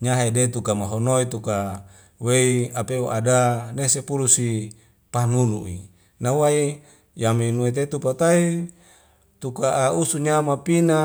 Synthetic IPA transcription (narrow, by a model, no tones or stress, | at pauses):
ɲaɦedet̪ukamaɦonoit̪uka | weiapeoʔadanesepuɾusi | panunṵʔḭ | nawai | jaminuet̪̬et̪upat̪ai | t̪ukaʔːusuɲamapina